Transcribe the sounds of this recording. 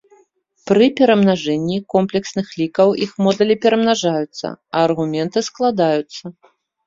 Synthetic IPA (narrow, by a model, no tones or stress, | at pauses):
pɾɨpʲɛɾɐmnaʐɛnʲːikɔmplʲɛksnɨxlʲikɐwixmɔd̪ɐlʲipʲɛɾɐmnaʐajut̪sːɐ̰ɐːrɣumʲɛnt̪ɨsklˠad̪ajut̪sːɐ